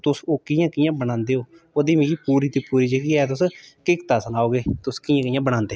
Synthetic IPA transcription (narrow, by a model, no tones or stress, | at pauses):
t̪ʊsoːkɪːjãːkɪjãːbənãːnd̪eːɦoː | oːd̪iːmĩːkiːpuːɾiːt̪iːpuːɾiːd͡ʒeɡiːɛːt̪ʊskɪkt̪aːsənaːoːɡeːt̪ʊskɪːjãːkɪjãːbəɽ̃ãːnd̪eː